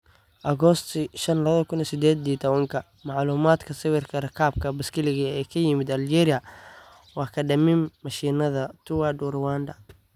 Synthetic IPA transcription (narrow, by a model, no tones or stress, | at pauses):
ʔɐɣɔst̪ʰʃɐnlɐβðɐkʰʊnisɪd̪ɛːd̪iːt̪ʰɐβɐŋkʰɐ | mɑʕluːmaːd̪kʰɐsɪwɪrkʰɐrɐkʰaːb̚kʰɐbɐskʰɪlɪɣɐɛːkʰɐjɪmɪd̪ɐld͡ʒɛːɾɪɐ | wɑːkʰɐɖɐmimːɐʃiːnɐðɐt̪ʰʊwadurwaːnd̪ɐ